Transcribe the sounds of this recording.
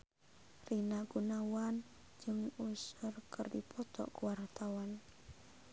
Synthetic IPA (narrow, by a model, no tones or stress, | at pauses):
rinaɡunawan | d͡ʒɨŋusərkɨrdipʰɔt̪ɔ̰ʔkuwart̪awan